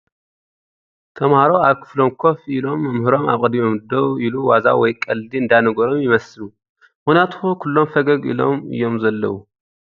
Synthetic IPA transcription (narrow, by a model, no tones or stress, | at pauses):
t̪ʰɐmhaɾoaβkʰɨ̥flo̞mkʰo̞filo̞mːɐmhɨɾo̞ma̰βkʼɨd̪mimɛmɨd̪oβiluwaza̰wɔjkʼɐldiɨnd̪anɐɡoɾo̞mjɪmɐsɨlu | mɨxnijat̪hokʰulːo̞mfɐɡɐɡḭlo̞̰mɨ̰jːo̞mzɐlːɐ̰wu